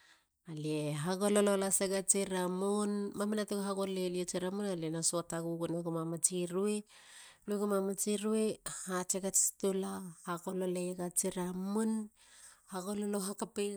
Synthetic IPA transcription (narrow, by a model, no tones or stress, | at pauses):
alieɦaɡolololaseɡat͡ʃiɾamonmamanatoɡaɦaɡoleliet͡ʃeɾamunalenasoataɡuɡunaɡomamat͡ʃiɾueluɡomamat͡ʃiɾuehat͡ʃeɡat͡ʃi̥tulahaɡololeɡat͡ʃiɾamun | haɡololoɦakape